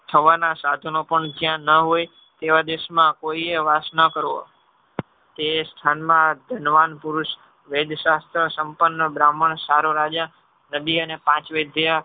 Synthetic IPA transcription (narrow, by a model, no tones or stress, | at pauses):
t̪ʰəʋanasad̪ʱonopəɳd͡ʒjãnəɦoj | t̪eʋad̪eʃmãkoieʋasnəkəɾo | t̪est̪ʰanmãd̪ʱənʋanpuɾuʃ | ʋed̪ʱʃast̪ɾəsəmpənːəbɾaməɳsaɾoɾad͡ʒa | nəd̪iənepãt͡ʃʋed̪ʱja